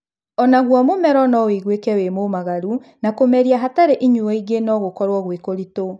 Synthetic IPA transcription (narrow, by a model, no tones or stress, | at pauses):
ɔnaɣwɔmomɛɾɔnɔwiɣwekɛwemomaɣaɾunakomɛɾiaɦataɾeʔiɲuɔiɣenɔɣokɔɾwɔɣwekoɾito